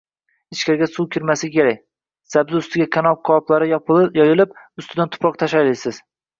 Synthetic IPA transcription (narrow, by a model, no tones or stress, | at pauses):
ɪt͡ʃkʲʰaɾɡʲasuwkʲɪɾmasɪkʲʰe̞ɾak̚ʲ | sabzɪʊst̪ɪɡʲakʲʰanɒp̚qʰɒplˠaɾɪjɒpjɒjɪlˠɪp̚ʊst̪ɪd̪ant̪ʰʊ̥pɾɒq̚t̪ʰaʃajlɪjsɪz̥